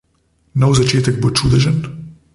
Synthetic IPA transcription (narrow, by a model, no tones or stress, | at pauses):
nowzat͡ʃeːt̪ɛɡ̚bot͡ʃuːd̪ɛʒən